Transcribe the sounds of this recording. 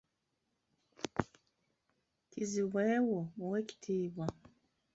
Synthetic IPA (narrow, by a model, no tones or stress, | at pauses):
kiziweːwoweki̥tʰiːβa